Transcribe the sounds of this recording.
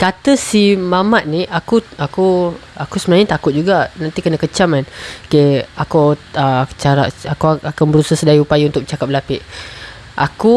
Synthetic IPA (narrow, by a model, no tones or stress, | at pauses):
kat̪əsimamat̪̚niʔakuakuakusəmənaɲət̪akʊt̪̚d͡ʒuɡanant̪ikənãkət͡ʃamanokeakuət͡ʃaɾa̰ʔakuakanbəɾusahsədaiupajaunt̪ʊk̚t͡ʃakap̚lapɪʔ | ʔaku